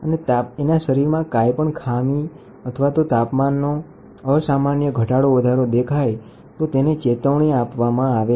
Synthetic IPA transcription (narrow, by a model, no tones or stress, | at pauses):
ənet̪aenaʃəɾiɾmãkajpəɳkʰami | ət̪ʰəʋat̪ot̪apmanːo | əsamanjəɡʱəʈaɽoʋəd̪ʱaɾod̪ekʰaj | t̪ot̪enet͡ʃet̪əʋɳ̃iapʋamãaʋe